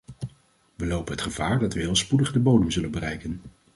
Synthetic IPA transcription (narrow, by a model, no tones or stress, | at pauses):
ʋəlowpənɦətχəv̥aːɹdɑtʋəɦɪlˠspudəχdəbowdəmzɵlənbərɛjkən